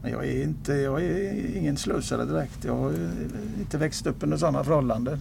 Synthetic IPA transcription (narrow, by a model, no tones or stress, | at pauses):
mɛnjɑ̰ːɡæɾɪnt̪əjɑːɡæɪŋːənslɵːsad̪ə̰d̪ɪɾɛkt̪jɑ̰ːɡhajɪnt̪əvɛkst̪ɵpːɵnd̪əs̬ɔnːafœɾhɔlːand̪ə